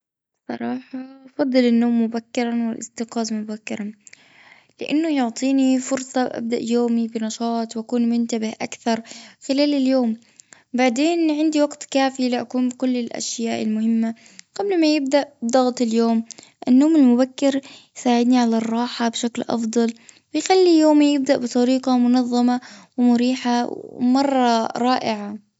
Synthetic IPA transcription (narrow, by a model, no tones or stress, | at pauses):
sˤɑ̰ɾˤɑːħɑfɑd̪ˤːɨlɪnːoːmːʊbakːɪɾˤɑnwɪlʔɪ̰st̪ɪqɑːzmʊbakːɪɾˤɑn | lɪʔanːʊjʊʕt̪ˤiːnifʊɾsˤɑʔa̰b̚d̪aʔjoːmibɪnɑʃɑːt̪ˤwʔakuːnmʊnt̪abɪhʔakθɑɾˤxɪlaːlɪljoːm | baʕd̪eːnʕɪnd̪iwɑɡt̪kaːfilɪʔakuːnbɪkʊlːɪlʔa̰ʃjaːʔɪ̰lmʊhɪmːa | ɡ̥ablmajɪb̚d̪aʔbd̪ɑɣt̪ˤɪljoːmʔɪnːoːmɪlmʊbakːɪɾjsaːʕɪd̪niʕalɑrˤːɑːħabʃaklʔɑ̰fd̪ˤɑl | wɪjxalːijoːmijɪb̚d̪aʔbɨt̪ˤɑɾiːqɑmʊnɑðˤːɑmawɪmʊɾiːħawmɑrˤːɑɾˤɑːʔɪʕa